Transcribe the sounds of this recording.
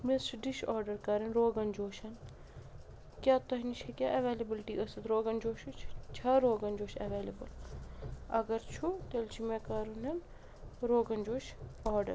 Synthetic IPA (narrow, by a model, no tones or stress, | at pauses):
mesʈɖiʃɔːɾɖɐɾkɐɾɐnɾoːɡɐnd͡ʒoːʃɐn | kjaːt̪ɐɦnit͡ʃʰɐkʲjaːʔɐʋeːlebilʈiːʔɐsɐt̪ɾoːɡɐnd͡ʒoːʃut͡ʃʰt͡ʃʰɐɾoːɡɐnd͡ʒoːʃɐ̰ʋeːlebɐ̰l | ɐ̰ɡɐɾt͡ʃʰut̪elt͡ʃʰimeːkɐɾunɐn | ɾoːɡɐnd͡ʒoːʃɔːɾɖɐ̰ɾ